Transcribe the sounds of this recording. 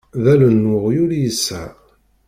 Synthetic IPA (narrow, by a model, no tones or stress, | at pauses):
ðælənːʊʁjʊɾjəsːæ̰